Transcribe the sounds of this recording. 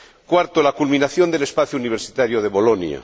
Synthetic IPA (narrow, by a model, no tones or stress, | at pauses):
kwaɾt̪olakulmĩnaθjo̞nd̪elespaθjouniβ̞eɾsit̪aɾjoðeβolonja̰